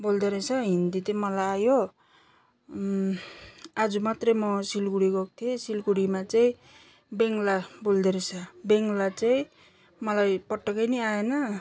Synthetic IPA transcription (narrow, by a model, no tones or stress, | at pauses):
bold̪eɾet͡sʰʌɦind̪it̪ʌmʌlajajo | ad͡zumat̪rʌmʌsilkuɽiɡok̚t̪ʰiesilkuɽimat͡saĩ | beŋlabold̪eɾet͡sʰʌbeŋlat͡saĩ | mʌlajpʌʈːʌkʌjnʌajenʌ